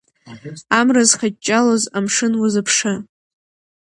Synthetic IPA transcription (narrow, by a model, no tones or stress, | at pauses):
amrazχat͡ʃʼːalozamʂɨnwazɨpʰʂɨ